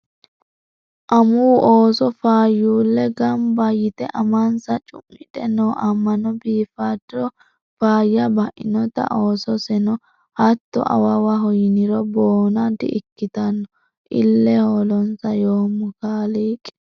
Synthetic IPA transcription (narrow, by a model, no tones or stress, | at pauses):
ʔɐmuːʔoːsɔfaːjːuːlːɛɡɐmbɐjɪt̪ɛʔɐmɐnsɐt͡ʃʼʊ̰mːɪᶑɛnoːʔɐmːɐnɔbiːfaːd̪ɪɾɔ | faːjːɐbɐʔɪnɔt̪ɐ̰ʔoːsɔsɛnɔ | hɐt̪ːɔ̰ʔɐ̰wɐwɐɦɔjɪnɪɾɔboːnad̪ɪ̰ʔɪkːɪt̪ɐnːɔ | ʔɪ̰lːɛholɔnsɐjoːmːʊkaːliːkʼɛ̥